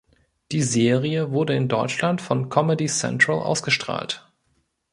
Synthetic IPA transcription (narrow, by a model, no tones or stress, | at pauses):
d̥iːzeːʁiəvʊɐdəɪndɔʏt͡ʃlantfɔnkʰɔmədisɛ̰ntʁ̥alʔa̰ʊsɡ̥əʃtʁ̥a̰ːlt